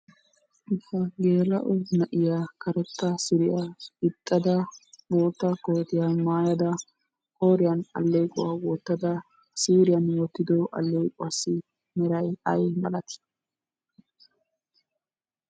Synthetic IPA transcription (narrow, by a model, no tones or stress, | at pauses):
ʔɪhɐɡe̞ːɾɐ̰ʔʊnɐʔɪjakɐɾɛt̪ːɐsɪɾɪjaɪt̪ʼːɐd̪ɐboːt̪ːɐkɔjt̪ɪjamaːjɐd̪ɐ | hoːɾɪjɐnɐ̰lːeːkʼʊ̰waːwɔt̪ːɐd̪ɐ | siːɾɪjɐnwɔt̪ːɪd̪ɔʔɐ̰lːejkʼʊwasːɪ | mɛɾɐjɐjmɐlɐt̪ɪ̥